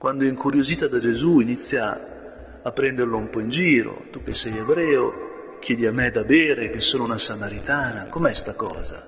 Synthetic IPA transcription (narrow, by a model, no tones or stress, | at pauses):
kwʔand̪oiŋkʰuɾjoziːt̪ad̪ad͡ʒezuinit̪sːjaː | pːɾɛnd̪erloumpɔind͡ʒiːɾo̰t̪uk̟ːesːɛjebɾɛːo | k̟ːjɛːd̪iamːed̪abeːɾek̟esːoːnounasamaɾit̪aːnakomɛst̪akɔ̰ːza̰